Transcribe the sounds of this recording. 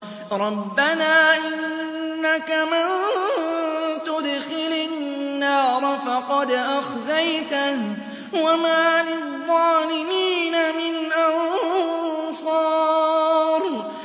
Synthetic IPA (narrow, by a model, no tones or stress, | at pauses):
ɾˤɑbːanaːʔɪnːakaman | t̪ʊd̪xɪlanːɑːɾˤfɑqɑd̪ʔaxzajt̪ah | wamaːlɪðˤːɑːlɪmiːnamɪnʔɑn | sˤɑː | ɾ